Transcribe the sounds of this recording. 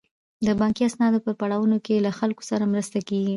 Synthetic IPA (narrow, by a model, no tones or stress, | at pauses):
d̪əbɑŋkiasnɑd̪opəɾpaɽɑwunokelaxalko̥saɾamɾəst̪akeɡi